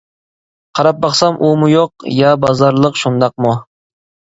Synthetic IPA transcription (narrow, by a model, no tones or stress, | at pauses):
qʰɑɾɑp̚bɑχsamʔʊmʊjoqjabɑzɑɾlˠɨqʃʊnd̪ɑq̚mʊ